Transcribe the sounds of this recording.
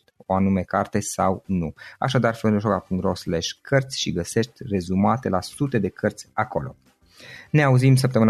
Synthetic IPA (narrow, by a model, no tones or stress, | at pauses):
t̪ʲo̞anume̞kart̪e̞sawnua̰ʃad̪arfnd̪uʃokapuŋɾosleʃkʰərt̪sʲʃiɡəse̞ʃt̪ʲre̞zumat̪e̞lasut̪e̞d̪e̞kʰərt̪sʲako̞lo̞̰ | ne̞auzims̬əp̚t̪əmɨn